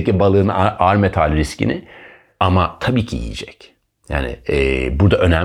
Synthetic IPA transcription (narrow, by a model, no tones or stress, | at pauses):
cibalˠɯːnʔaɾmet̪ʰalʲɾiscḭnɪ | amat̪ʰabiːcʰiḭjḛd͡ʒɛc | ja̰ːnɪ̰ɛbuɾd̪aʔø̞næm